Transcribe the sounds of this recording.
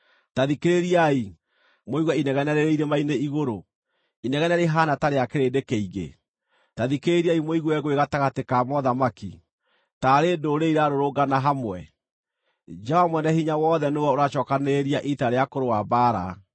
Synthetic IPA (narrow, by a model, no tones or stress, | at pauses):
taðikeɾeɾiai | moiɣwɛinɛɣɛnɛɾeɾeiɾemaineiɣoɾo | inɛɣɛnɛɾeɦanataɾeakeɾedekɛiɣḛ | taðikeɾeɾiaimoiɣwɛɣweɣataɣatekamɔðamakḭ | taɾedoɾeiɾaɾoɾoɡanaɦamwɛ̰ | d͡ʒawamwɛnɛhiɲawɔðɛnewɛoɾaʃɔːkaneɾiaʔitaɾeakoɾowabaːɾa̰